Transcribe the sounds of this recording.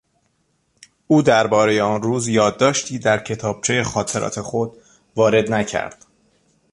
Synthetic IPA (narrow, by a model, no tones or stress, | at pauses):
ʔuːd̪æɾbɒːɾe̞je̞ɒːnruːzjɒːd̪ːɒːʃt̪ʰiːd̪æɾcʰe̞t̪ʰɒːb̥̚t͡ʃʰe̞je̞xɒːt̪ʰe̞ɾʔɒ̰ːt̪ʰe̞xo̞d̪ | vɒːɾe̞d̪næcʰæ̰ɾd̪̥